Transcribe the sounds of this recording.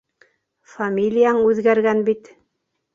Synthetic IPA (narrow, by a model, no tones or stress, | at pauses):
famʲilʲijaɴʉðɡæɾɡænbit̪